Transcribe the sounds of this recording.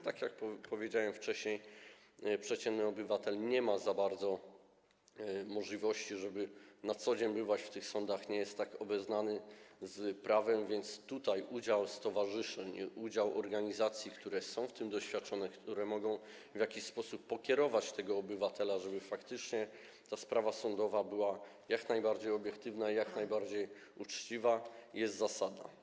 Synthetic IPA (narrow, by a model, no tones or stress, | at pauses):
t̪akʲjak̚ppɔvʲjed͡ʑawɛmft͡ʂɛɕɲej | pʂɛt͡ɕɛnnɘɔbɘvat̪ɛlɲɛmazabaɾd̪zɔ | mɔʐlʲivɔɕt͡ɕiʐɛbɘnat̪sɔd͡ʑeɲbɘvat͡ɕft̪ɘxsɔnd̪axɲɛjɛst̪ːakɔbɛznanɘzpɾavɛmvʲjɛnt̪st̪ut̪ajʔud͡ʑawst̪ɔvaʐɘʂɛɲud͡ʑawʔɔ̰ɾɡaɲizat̪sʲjikt̪uɾɛsɔ̃w̃ft̪ɘmd̪ɔɕfʲjat̪̚t͡ʂɔnɛkt̪uɾɛmɔɡɔ̃w̃ | vjakʲiɕspɔsupːɔkʲɛɾɔvat͡ɕt̪ɛɡɔːbɘvat̪ɛlaʐɛbɘfakt̪ɘt͡ʂɲɛ | t̪aspɾavasɔnd̪ɔvabɘwa | jaknajbaɾd͡ʑejɔbʲjɛkt̪ɘvnaijaknajbaɾd͡ʑej | ut͡ʂt͡ɕivaijɛst̪zasad̪a̰